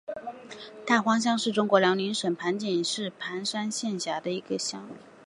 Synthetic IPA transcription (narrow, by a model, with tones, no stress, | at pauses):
t̪a˥˩xwɑ˥ŋɕ̬jɑ˥ŋʂɻ̩˥˩ʈ͡ʂʊ˥ŋkwɔ˧˥ljɑ˧˥ŋli˧˥nʂə˨˩npʰa˧˥nt͡ɕi˨˩nʂɻ̩˥˩pʰa˧˥nʂa˥nɕjɛ˥˩˧nɕja˧˥d̪ə˧i˧˥ɡə˧ɕjɑ˥ŋ˩